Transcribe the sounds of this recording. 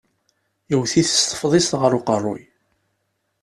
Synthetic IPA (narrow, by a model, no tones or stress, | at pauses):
iwθiθə̥st̪ˤə̥fðˤɪst̪ʁəɾʊqərˤːʊ̰j